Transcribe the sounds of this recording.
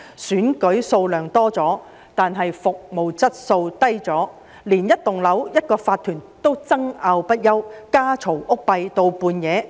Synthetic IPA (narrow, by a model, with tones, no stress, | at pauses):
syː˨˥nkɵ˨˥ɥso˧wlœː˨˩ŋt̪ɔː˥t͡sɔː˨˥ | t̪aː˨nɦɐ˨jfʊ˨k̚mo˨˩wt͡sɐ˥t̚so˧wt̪ɐ˥jt͡sɔː˨˥ | liː˨˩njɐ˥t̚t̪ʊ˨ŋlɐ˨˥wjɐ˥t̚kɔː˧faː˧t̪ʰːyː˨˩nt̪o˥wt͡sɐ˥ŋaː˧wpɐ˥t̚jɐ˥wkaː˥t͡sʰo˨˩wʔʊ˥k̚pɐ˧jt̪o˧wpuː˧njɛː˨˧